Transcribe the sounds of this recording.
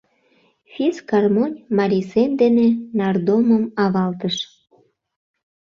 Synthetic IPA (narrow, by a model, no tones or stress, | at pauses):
fʲiskɑrmonʲmɑɾʲisemd̪enenɑrd̪oməmɑβɑlt̪əʃ